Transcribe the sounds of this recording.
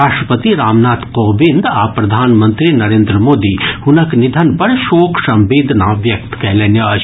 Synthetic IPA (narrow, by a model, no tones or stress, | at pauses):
aːʃʈɾəpət̪iɾaːmnaːt̪qoːbɪ̃nd̪aːpɾɐd̪ʱaːnmə̃nt̪ɾinɐɾẽːnd̪ɾəmoːd̪ihʊnəknɪd̪ʱənpɐɾʃoːkʰʃɐ̃mʋeːd̪ʱnaʋjɐk̚t̪kɛɦleːnjəɐ